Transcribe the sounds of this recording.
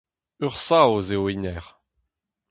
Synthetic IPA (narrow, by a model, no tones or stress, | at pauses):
øʁsaozewinɛʁ